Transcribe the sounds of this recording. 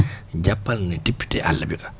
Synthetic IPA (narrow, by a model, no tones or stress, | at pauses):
d͡ʒapːannatipːi̥tɛ̰ʔa̰lːabikḁ